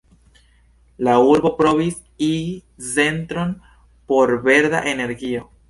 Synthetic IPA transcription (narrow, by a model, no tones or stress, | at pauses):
lauɾbo̞pɾo̞vis | i | ze̞ntɾo̞n | po̞ɾbe̞ɾda̰ʔe̞ne̞ɾɡio̞